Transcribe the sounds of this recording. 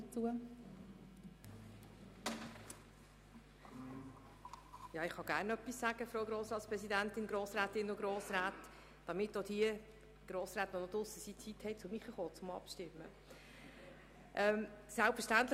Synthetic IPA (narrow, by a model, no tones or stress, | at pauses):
t͡suə | jɑːɪχχɑɡ̥æːɾnœpːisːæɡ̥əfɾoːwɡɾoːsɾɑːtspɾɛsidæntɪnɡɾoːsɾæːtɪnʊɡ̥ɾoːsɾaːt | d̥ɑmɪtːodiə | ɡ̥ɾoːsɾaːt̪ʋonodʊsəsit͡sithɛɪt͡sʊmiχəχoːt͡sʊmɑ̰pʃtɪmːə | ʔɛmsælpfəʃtænt̪lə